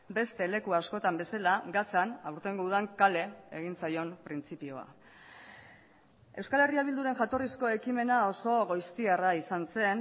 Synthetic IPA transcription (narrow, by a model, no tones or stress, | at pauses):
be̞st̪e̞le̞kuasko̞t̪ambe̞salaɡasanawɾt̪e̞ŋɡouðaŋkale̞eɣ̞int͡sajo̞mpɾint͡sipio̞a̰ | e̞wskale̞riaβild̪uɾe̞nʝat̪o̞risko̞e̞kime̞nao̞so̞ɣo̞jst̪iaraisanse̞n